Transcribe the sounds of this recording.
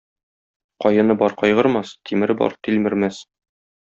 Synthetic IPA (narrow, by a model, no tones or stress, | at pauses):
qɒjɤ̆nɤbɒɾqɒjʁɤ̆ɾmɑst̪ʰimɘ̆ɾɘbɒ̰ɾt̪ilmɘ̆ɾmæs